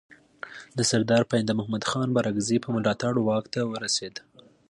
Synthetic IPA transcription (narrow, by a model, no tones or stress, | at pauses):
d̪əsaɾd̪ɑɾpaɪnd̪amʊhmad̪xɑnbaɾaɡzipəmʊlɑt̪aɽwɑkt̪awəɾased̪